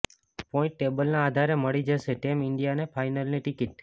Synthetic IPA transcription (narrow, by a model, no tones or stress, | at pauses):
pɔɪ̃ɳʈːebəlnãːd̪ʱaɾeməɭid͡ʒəʃeʈemɪɳɖijanefʰajnəlniʈɪkiʈ̚